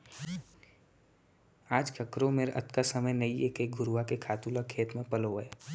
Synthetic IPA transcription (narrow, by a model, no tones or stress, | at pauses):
aːd͡ʒkʰəkɾõmeːɾʔɐ̰t̪kasəməjnɐieːkeɡʱʊɾʋakekʰaːt̪ulakʰeːt̪mẽpəloəe